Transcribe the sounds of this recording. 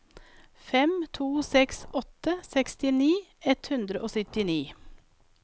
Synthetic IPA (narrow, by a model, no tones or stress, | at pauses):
fɛmt̪ʰuːsɛksɔt̪əsɛkst̪ɪniːɛt̪hʉnd̪ɾəʔoːsʏt̪ɪniː